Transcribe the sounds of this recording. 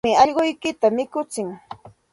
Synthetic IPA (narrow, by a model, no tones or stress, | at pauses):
ɪɑʎɢojkɪt̪amɪkʊt͡sɪŋ